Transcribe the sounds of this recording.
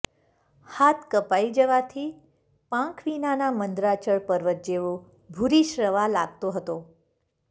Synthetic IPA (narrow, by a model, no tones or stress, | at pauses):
hat̪ʰkəpaid͡ʒəʋat̪ʰi | pãkʰʋinanamənd̪ɾat͡ʃəɭpəɾʋət̪̚d͡ʒeʋo | bʱuɾiʃɾəʋalaɡt̪oɦət̪o